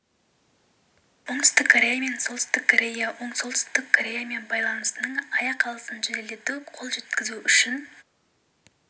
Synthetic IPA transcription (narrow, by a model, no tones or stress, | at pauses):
wo̞ɴt̪ʏ̥st̪ɪkʰːoɾʲe̞jame̞nsot̪st̪ɪkʰːoɾʲe̞jawʔo̞ɴso̞lˠt̪ʏ̥st̪ɪkkʰːoɾʲe̞jame̞nbɑjlˠɑnəst̪ənəɴɑjɑqʰːɑlˠəsənʒezele̞t̪ɪqʰo̞lˠʒe̞t̪kʲɪzuʔʏʃɪn